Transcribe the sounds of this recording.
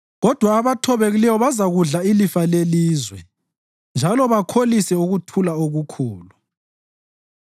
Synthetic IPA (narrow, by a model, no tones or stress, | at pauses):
ɣɔd̥ʱwaːβatʰɔβeɣilɛwɔβazaɣuɮailifaleliːzwɛ | nd͡ʒʱalɔβakʰolisɛuɣutʰulaoɣukʰuːlu